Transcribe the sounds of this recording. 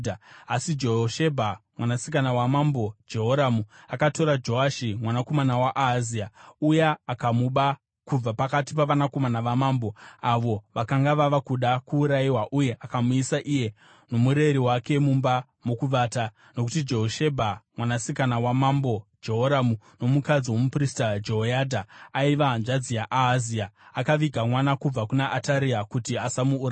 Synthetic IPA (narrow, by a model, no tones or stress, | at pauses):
aasid͡ʒeoʃe̞bʱamwanasikanawamambo̞d͡ʒe̞ɦoɾamuakato̞ɾad͡ʒo̞aʃimwanako̞manawaʔaziaujeːkamuɓa | kub͡vapakatipaʋanakomanaʋamaːmbo̞aʋo̞ʋakaŋɡaʋaʋakuɗakuːɾaiwaʔuje̞ʔakamuisaʔije̞ | no̞muɾeɾiwake̞mumba | mokuʋaːta | no̞kutid͡ʒe̞ɦoʃebʱamwanasikanawamambo̞d͡ʒe̞ɦoɾamu | no̞mukad͡ziwomupristad͡ʒeɦojadʱaaiʋanʐad͡zijaʔaːziaakaʋiɡʱamwanakub͡vakunaʔːtaɾiakutiasamuː